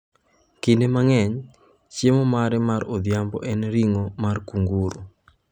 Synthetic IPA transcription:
kindemaŋɛɲ | t͡ʃemomaɾɛmaɾod̪jambɔ̰ʔɛnɾiŋomarkuŋɡuɾo̰

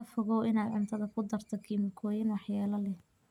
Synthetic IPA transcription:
ɐfɔɣɔwɪnaːd̪ʕʊnt̪ʰɐðɐkʰʊd̪ɐrt̪ʰɔkʰiːmɪkʰɔːjɪnwɑħjɛːlɐlɛ

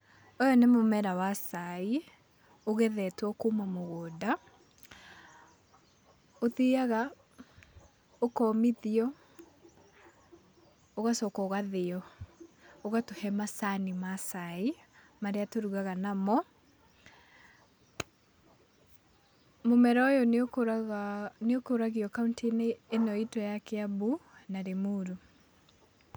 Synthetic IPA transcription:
ɔjɔnemomɛɾawasai | oɣɛðɛtwɔkumamoɣoːda | oðeaɣa | okɔmiðiɔ | oɣasɔkɔɣaðeɔ | oɣatohɛmasanimasaimaɾeatoɾuɣaɣanamɔ | momɛɾɔjɔn | neokoɾaɣiɔkauntineːnɔitɔjakeabunaɾemuːɾu

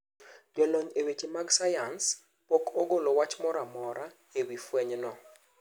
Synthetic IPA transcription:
d͡ʒwɛloɲewet͡ʃimaɡsajans | pɔkoɡolowat͡ʃmɔɾamɔɾa | ewifweɲnɔ

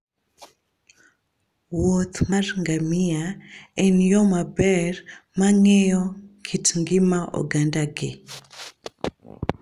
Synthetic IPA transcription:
wɔt̪ʰmaɾŋɡamiaɛnjɔmabɛɾmaŋɛjɔkʰitŋɡimaʔɔ̰ɡandaɡe

